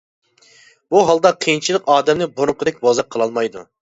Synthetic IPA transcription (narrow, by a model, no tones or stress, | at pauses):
b̥uɦɑlˠd̪ɑqʰijint͡ʃʰilˠəqɑːd̪ɛmnɪboɾʊqʰəd̪ɛk̚ʲbozɑqʰːəlˠɑlˠmɑjd̪ṵ